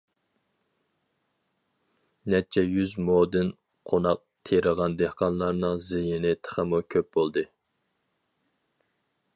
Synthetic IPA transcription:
nɛt͡ʃʰɛjyzmod̪ɨn | qʰonɑq̚t̪ʰeɾəʁɑnd̪ehqɑnlˠɑɾnɨŋzɪjɪnɪt̪ʰə̥χəmukʲʰøp̚b̥olˠd̪ɨ

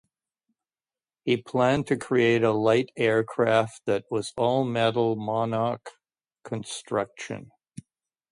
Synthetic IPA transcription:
hipʰl̥æ̃ntʰɨkʰɹ̥ieɪɾəlaɪɾɛɹkʰɹ̥æft̪̚ðɨt̚wʌzɔlˠmɛɾl̩ˠmɑnɑkʰː | ɨ̃nstɹ̥ʌkʃɨ̰̃n

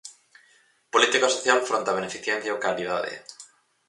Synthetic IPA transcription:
polit̪ikasoθjalfɾont̪aβenefiθjẽn̟θjaokalið̞aðḛ

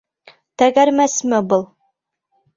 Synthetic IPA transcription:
t̪æɡæɾmæsmɘbɤlˠ

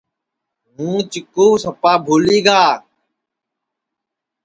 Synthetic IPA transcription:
ɦũːt͡ʃɪkoːsəpaːbʱoːliːɡaː

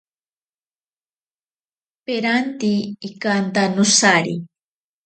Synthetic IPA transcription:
peɾant̪iːkant̪anʊsaɾḭ

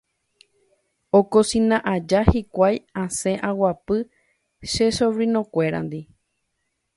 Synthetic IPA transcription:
okosĩnãʔad͡ʒahikʷajãsẽʔãwapɨ | ʃesoʋɾĩnõkʷe̞ɾa̰nd̪i

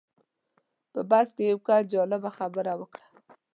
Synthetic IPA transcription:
pəbaskejawkad͡ʒɑlɪbaxabəɾawəkɽḁ

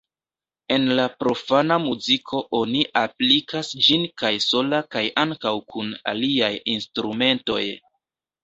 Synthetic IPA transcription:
e̞nlapɾo̞fanamuzikʰo̞ʔo̞niʔaplikasd͡ʒinkajso̞lakajʔaŋkawkʰuna̰liajinstɾume̞nto̞̰j

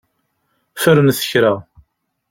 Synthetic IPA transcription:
fəɾənθə̥çɾæ

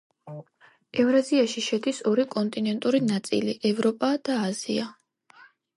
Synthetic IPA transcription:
ɛvɾaziaʃiʃɛd̪isɔɾikʼɔnt̪ʼinɛnt̪ʼuɾinat̪sʼḭliʔɛvɾɔpʼad̪̥aːz̥ia

